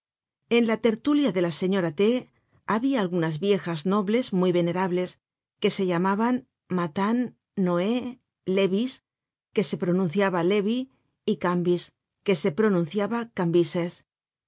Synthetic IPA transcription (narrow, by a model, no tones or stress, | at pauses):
e̞nlat̪e̞ɾt̪uljaðe̞lase̞ɲo̞ɾat̪e | aβiaːlɣunazβje̞xazno̞βlezmujβe̞ne̞ɾaβle̞s | ke̞se̞ʎamaβan | mat̪anː | oe | leβis | ke̞se̞pɾo̞nũn̟θjaβale̞βi | ikambis | ke̞se̞pɾo̞nũn̟θjaβakambises